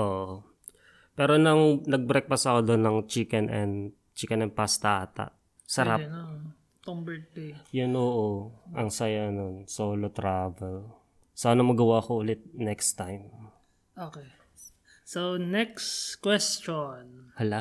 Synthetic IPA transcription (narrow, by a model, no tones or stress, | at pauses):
ʔoːʔo | pɛːɾonɐŋnɐɡ̚bɾɛk̚pɐsɐkod̪onːɐŋt͡ʃikɛnɛn | t͡ʃikɐnɛn̚past̪aʔaːt̪ɐ̰ʔ | sɐɾan | t̪oŋbɛt̪̚pejʊnoʔoʔɐŋsɐjanonsoːlot̪ɾaːvɛl | sʔanɐmɐɡɐwaɐkoʔʊlɛt̪̚nɛkst̪ːajm | ʔokɛ | sonɛkskwɛst͡ʃonhɐla